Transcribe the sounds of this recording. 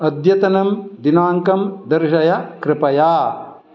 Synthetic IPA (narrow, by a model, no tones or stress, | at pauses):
ɐd̪jɐt̪ɐnɐmd̪inaːŋkɐmd̪ɐɾʃɐjɐkɾɪpɐjaː